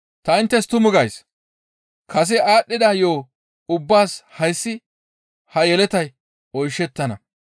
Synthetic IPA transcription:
t̪ɐɪnt̪ːɛst̪ʊmʊɡɐjs | kʰɐs̬ɛaːɗːɪd̪ɐjo̞ː | ʊbːaːshɐjsːɪ | hɐjɛlɛt̪ɐj | ɔjʃːɛt̪ːɐnɐ̰

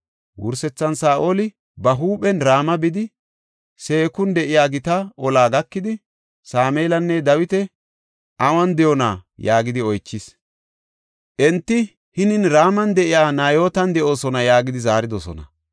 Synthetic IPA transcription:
wʊ̰ɾsɛt͡sːɐnsaːʔolɪ | bɐɦuːɓɛnɾaːmɐbɪd̪ɪ | se̞ːkʊnd̪ɛʔɪjaːɡɪt̪ɐɔlaːɡɐkːɪd̪ɪ | saːmeːlɐnːɛd̪ɐwɪt̪ɛ | ʔɐwɐnd̪ɛjɔna̰ːjaːɡɪd̪ɪɔjt͡ʃːɪs | ʔɛnt̪ːɪ | hɪnɪnɾaːmɐnd̪ɛʔɪjaːnaːjo̞ːt̪ɐnd̪ɛʔo̞ːsɔnɐjaːɡɪd̪ɪzaːɾɪd̪ɔsɔ̰nɐ̰

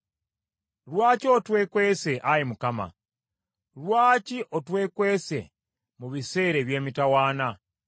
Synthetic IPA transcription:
lwaːcotwe̞ːkwese̞ʔajimukama̰ | lwaːciʔotwe̞ːkwe̞se̞̰ | muβise̞ːɾeβje̞ːmitawaːna

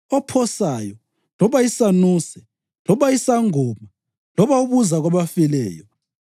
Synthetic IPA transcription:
ɔpʰɔsajɔ | lɔβaisanuːsɛ | lɔβaisaŋɔma | lɔβauβuzaɣwaβafɛlɛ̰ːjɔ

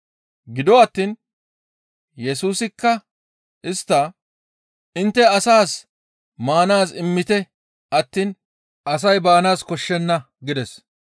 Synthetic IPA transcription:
ɡɪd̪ɔɐt̪ːiːn | jɛsuːsɪkːɐ | ɪst̪ːɐ | ɪnt̪ːɛɐsaːs | maːnaːsɪmːɪt̪ɛ | ʔɐt̪ːiːn | ʔɐsɐjbaːnaːskɔʃːɛnːɐ | ɡɪd̪ɛs

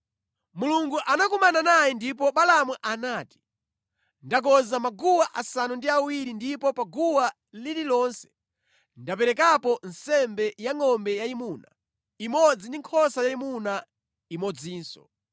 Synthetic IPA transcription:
muluŋɡuʔanak̬umananajɛndip̬ɔɓalamwuʔanaːti̥ | ndak̬ɔzamaɡuwaʔasanundiawiɾindipɔpaɡuwa | lililɔːnsɛ̥ | ndapɛɾɛkapɔnsɛmbɛjaŋɔmbɛjaimuːna | imɔd͡zindiŋkʰɔsajaimuna | imɔd͡ziːnsɔ̥̰

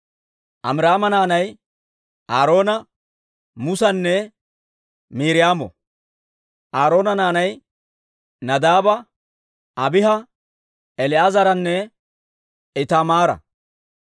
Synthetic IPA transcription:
ʔɐ̰mɾaːmɐnaːnɐj | ʔaːɾo̞ːnɐ | mʊsɐnːɛ | miːɾɪjaːmɔ̰ | ʔaːɾo̞ːnɐnaːnɐj | nɐd̪aːbɐ | ɐbɪɦɐ | ɛlɪʔaːzɐɾɐnːɛ | ɪt̪amaːɾɐ̰

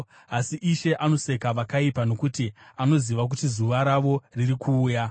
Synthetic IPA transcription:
asiʔiʃe̞ʔano̞se̞kaʋakaipano̞kutiano̞ziʋak̬utizuʋaɾaʋo̞riɾikʰuːja

